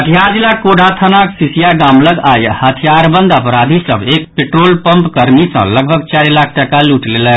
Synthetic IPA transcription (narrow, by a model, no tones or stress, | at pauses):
ət̪ʰijaɾd͡ʒilakoɖʱat̪ʰənaksisijaɡamləɡajhət̪ʰijaɾbə̃nd̪ʱəpɾad̪ʱisə̰bek̚peʈɾoːlpəmpkəɾmisə̰̃ləɡ̚bʱəɡ̚t͡ʃaɾilakʰʈəkaluʈlelə